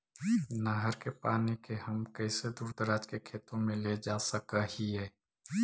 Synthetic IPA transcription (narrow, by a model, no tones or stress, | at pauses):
naːɦəɾkepaːnikeɦəmkəɪsed̪uːɾd̪əɾaːd͡ʒkekʰeːt̪õmẽled͡ʒaːsəkahiɦɛː